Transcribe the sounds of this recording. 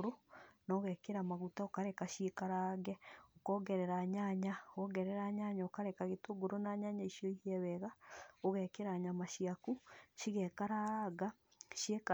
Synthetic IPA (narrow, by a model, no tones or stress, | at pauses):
ɾonɔɣɛkeɾamaɣutaokaɾɛkaʃekaɾaːɣɛokɔːɡɛɾɛɾaɲaɲaɣɔɣɛɾɛɾaːɲaɲaokaɾɛkaɣetoɡoɾonaɲaɲaiʃijɔihiɛβɛɣaoɣɛkeɾaːɲamaʃiakuʃiɣɛkaɾaɣa | ʃjeka